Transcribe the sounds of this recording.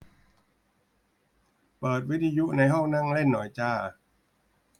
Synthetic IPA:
pɤː˨˩t̪̚wi˦˥t̪ʰa˧ju˦˥na˧jɦɔ˥˩ŋna˥˩ŋle˥˩nːɔ̰˩˦jt͡ɕaː˧˩

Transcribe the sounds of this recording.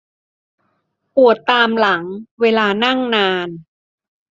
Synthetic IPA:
pu˨˩ət̪ːaː˧mla˩˦ŋweː˧laː˧na˥˩ŋnaː˧n

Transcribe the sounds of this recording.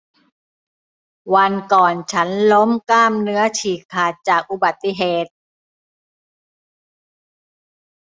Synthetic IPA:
wa˧nkɔː˨˩nt͡ɕʰa˦˥nlo˦˥mklaː˥˩mnɯ˦˥ɐt͡ɕʰiː˨˩kʰaː˨˩t̪̚t͡ɕaː˨˩k̚ʔu˧˩ba˨˩t̪ːi˧˩˨ɦeː˨˩t̪̚

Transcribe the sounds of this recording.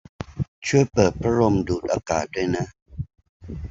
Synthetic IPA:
t͡ʃʰu˦˩ə˦pəː˨˩t̚pʰa˦ɾo˧mduː˨˩t̚ʔa˧ka̰ː˨˩t̚du˥˩ə˨jna˦

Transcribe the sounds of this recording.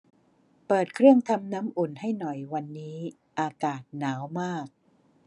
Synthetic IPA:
pɤː˨˩t̪̚kʰɾɯ˥˩əŋt̪ʰa˧mna˦˥mʔu˨˩nha˥˩jnɔ˨˩jwa˧nːiː˦˥ | ʔaː˧kaː˨˩t̪̚naː˩˦wmaː˥˩k̚

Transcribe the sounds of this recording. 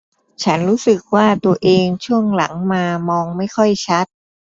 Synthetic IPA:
t͡ɕʰa˦˥nɾuː˦˥sɯ˨˩k̚waː˥˩t̪u˧ɐʔeː˧ŋt͡ɕʰu˥˩əŋla˩˦ŋmaː˧mɔː˧ŋma˥˩jkʰɔ˥˩jt͡ɕʰa˦˥t̪̚

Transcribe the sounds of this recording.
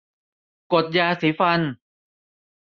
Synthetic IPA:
ko˨˩t̪̚jaː˧siː˩˦fa˧n

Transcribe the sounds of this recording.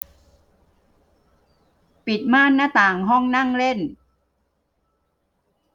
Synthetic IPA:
pi˨˩t̪̚maː˥˩˨nːaː˥˩t̪aː˨˩ŋɦɔ˥˩ŋna˥˩ŋle˥˩n

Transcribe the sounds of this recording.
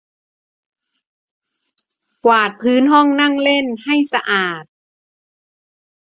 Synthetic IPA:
kwaː˨˩t̪̚pʰɯː˨˦˥nɦɔ˥˩ŋna˥˩ŋle˥˩˨nha˥˩jsa˧ʔaː˨˩t̪̚

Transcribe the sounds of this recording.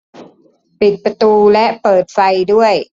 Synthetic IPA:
pi˨˩t̪̚pɾa˧t̪uː˧lɛ˦˥ʔpɤː˨˩t̪̚fa˧jdu˥˩əj

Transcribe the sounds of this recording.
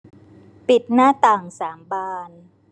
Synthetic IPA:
pi˨˩t̪̚naː˥˩t̪aː˨˩ŋsaː˩˦mbaː˧n

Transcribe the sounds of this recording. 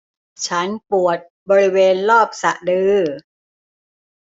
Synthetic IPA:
t͡ɕʰa˦˥npu˨˩ət̪̚ | bɔː˧ɾi˦˥weː˧nlɔː˥˩p̚sa˨˩ʔdɯː˧

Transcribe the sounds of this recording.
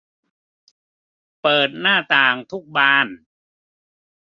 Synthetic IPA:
pɤː˨˩t̪̚naː˥˩t̪aː˨˩ŋt̪ʰu˦˥k̚baː˧˥˩n

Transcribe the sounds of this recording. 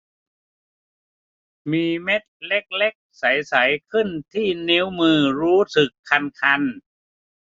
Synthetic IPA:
miː˧me˦˥t̪̚le˦˥k̚le˦˥k̚sa˩˦jsa˩˦jkʰɯ˥˩nt̪ʰiː˥˩ne˦˥wmɯː˧ɾuː˦˥sɯ˨˩kʰːa˧nkʰa˧n

